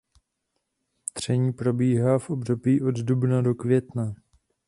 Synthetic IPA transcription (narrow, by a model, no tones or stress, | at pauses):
d̪̥r̝̥ɛɲiːpɾo̞biːɦaːfʔo̞bdo̞biːʔo̞d̪dubnado̞kvjɛt̪na